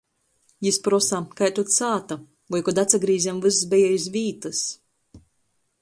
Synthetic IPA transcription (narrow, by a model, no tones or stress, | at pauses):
jispɾɔsakajt̪ut̪saːt̪a | vɔjkɔd̪at̪saɡɾiːzʲɛmvɨssbʲɛjɛjizvʲiːt̪ɨs